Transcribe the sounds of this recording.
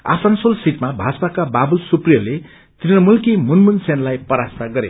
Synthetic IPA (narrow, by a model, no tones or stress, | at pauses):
a̰sansolsiʈmabʱasakababulsuprjʌle | t̪rinʌmulkimunmunsenlajpʌɾasaɡʌɾe